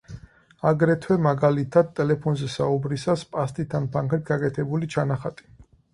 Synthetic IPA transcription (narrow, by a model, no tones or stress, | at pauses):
aɡɾɛt̪ʰwɛmaɡalit̪ʰad̪̚t̪ʼːɛlɛpʰɔnzɛsaubɾisaspʼast̪ʼit̪ʰanpʰaŋkʰɾit̪ɡakʼɛt̪ʰɛbulit͡ʃʰanaχat̪ʼi̥